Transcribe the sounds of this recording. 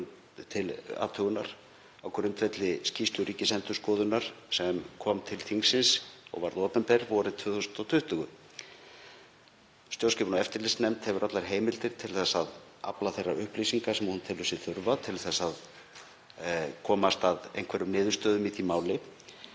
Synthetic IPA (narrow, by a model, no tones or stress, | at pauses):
t̪ʰɪla̰ːt̪ʰœɣʏnaɾ̥ | aːwkʰɛɾʏmt̪vɛt̪lɪscist̪ʏɾiːcɪsɛnt̪ʏ̥skɔːðʏnːaɾ̥sɛmkʰɔːmt̪ʰɪlθiŋsːɪnsɔ̰ɣvaɾðɔːpɛmpɛɾvɔɾɪt̪ʰv̥œːθusʏnd̪ɔwt̪ʰʏht̪ʏɣʏ | st̪jowscɛpnaɛft̪ɪɾlɪst̪nɛmt̪hɛvʏɾʔat̪laɾ̥ɦeːjmɪlt̪ɪɾ̥t̪ʰɪlθɛsːaða̰plaθejrːaʏhplisiŋkasɛmahunt̪ʰɪlʏsɪθʏɾvat̪ʰɪlθɛsːað | kʰɔːmast̪aðḛjnkʰvɛɾʏmnɪːðʏst̪œːðʏmiθimaːwlɪ